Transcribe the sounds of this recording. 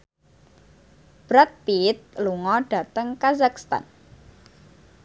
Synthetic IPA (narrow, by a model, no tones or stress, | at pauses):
b̥ɾat̪̚pit̪̚luŋɔɖ̥a̤t̪əŋkazakst̪a̰n